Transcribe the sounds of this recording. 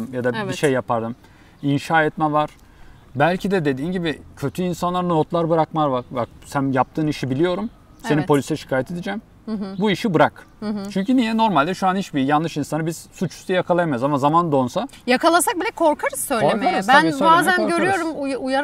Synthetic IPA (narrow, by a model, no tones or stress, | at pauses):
mjad̪abiʃejːapaɾd̪ɯm | inʃaːɛt̪mɛvaɾ̥ | bælʲcʰid̪ɛd̪e̞d̪iːnɟibicʰø̞t̪ʰyinsanlˠaɾnot̪lˠaɾbɯɾakmaɾbaɾbak̚sænjap̚t̪ʰɯːniʃibilʲijo̞ɾum | se̞nipʰo̞lʲysɛʃi̥kʰaːjɛt̪ʰed̪id͡ʒɛm | buiʃibɯɾak | t͡ʃʰyɲcynijɛno̞ɾmalʲd̪ɛʃuanit͡ʃbijanlːˠɯʃinsanɯbiz̥sut͡ʃʰu̥st̪ajakʰalˠajamajuzamazamand̪o̞nsajakalˠasak̚bilʲɛkʰo̞ɾkʰaɾɯz̥sø̞jleɾmaɾbnbaːzænɟøɾyjo̞ɾumjujaɾ